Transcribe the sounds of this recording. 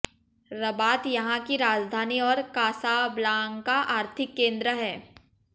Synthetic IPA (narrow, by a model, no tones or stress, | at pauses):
ɾɐbaːt̪jɐɦãkiɾaːd͡ʒd̪ʱaːniɔːɾkaːsablãːŋkaʔaːɾt̪ʰɪkːẽːnd̪ɾəɦɛː